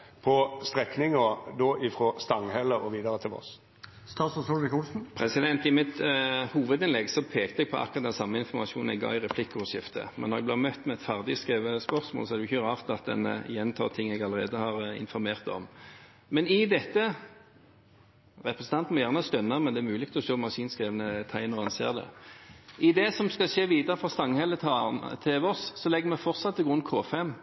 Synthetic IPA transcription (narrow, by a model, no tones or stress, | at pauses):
pʰɔst̪ɾɛknɪŋəd̪oʔɪfɾɔst̪ɑŋhɛləɔʋiːd̪əɾət̪ʰɪlɔ̰s | st̪ɑːsɔsuɪkulsn̩pʰɾɛsɪd̪ɛnt̪ɪmɪt̪huːʋəd̪ɪnlɛɡsɔpʰeːkt̪əɛɡ̚pʰɔʔɑ̰kːɔʁɑt̪̚ɛnsɑmːəɪnfɔʁmɑʃuːn̩ɛɡɑ̰ɪʁɛpʰlɪkːʂɪft̪ʰə̰mɛ̰nɔʁɛɡbleːmœt̪ːmɛɛt̪fæʁd̪ɪskeːʋəspœʁsmo̰ːlsɔɛʁd̪ɛʊɪçəʁɑːʁt̪ɑt̪̚d̪ɛ̰njɛnt̪ʰɑ̰ːt̪ʰɪŋːɛɡɑlːəʁeːd̪əhɑʁɪ̰nfɔɾmeːʁt̪ɔ̰m | mɛnɪd̪ɛt̪ːə | ʁɛpɾʁəsn̩t̪ɑnt̪n̩mɔjæʁnəɔst̪œnːəmɛnd̪ɛːɾmʉːlɪɡ̥̚t̪ʰɛlɔʂoːmɑʁʂiːnskɾeːʋənət̪ʰæɪnəʁɛnsḛːʁd̪ɛ̰ | ʔɪd̪ɛsɔmskɑʂeːʋiːd̪əɾəfʁɑst̪ɑŋːhɛlːət̪ʰt̪ʰeːʋɔssɔlɛɡːəɾmɛfɔʁt̪sɑt̪ːɪɡɾʉnkʰoːfɛmː